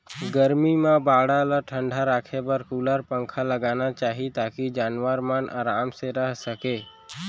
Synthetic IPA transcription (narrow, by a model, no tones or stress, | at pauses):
ɡəɾmimãbaːɽalaʈʰə̃ɳɖʱaɾaːkʰebəɾkuːlaɾpə̃ŋkʰaləɡaːnat͡ʃaːɦit̪aːkid͡ʒaːnʋəɾmanʔa̰ːɾaːmseɾəɦsəkeː